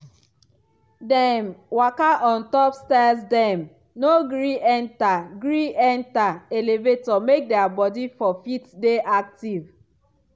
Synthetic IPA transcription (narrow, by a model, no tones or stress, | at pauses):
dɛmwakaʔɔ̃ntɔpstɛsdɛm | noɡɾiʔɛntaɡɾiʔɛntaelevetɔmek̚dɛabɔdifɔfitdeʔak̚tiv